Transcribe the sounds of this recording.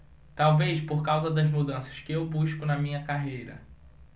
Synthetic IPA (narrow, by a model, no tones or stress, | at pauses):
t̪awvejspoɾkawzɐd̪ɐzmud̪ɐ̃sɐ̥skɪewbuʃkʊnɐmĩɲɐkaɦejɾɐ̰